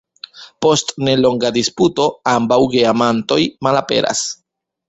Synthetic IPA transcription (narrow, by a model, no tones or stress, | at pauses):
po̞stne̞lo̞ŋɡadisputo̞ambawɡiamanto̞jmalape̞̰ɾʔa̰s